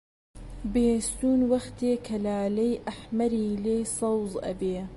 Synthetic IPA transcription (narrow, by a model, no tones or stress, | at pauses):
beːst̪uːnwɐxt̪eːkʰɐlaːlɐjʔɐħmɐɾiːleːsɐwzˤʔɐ̰beː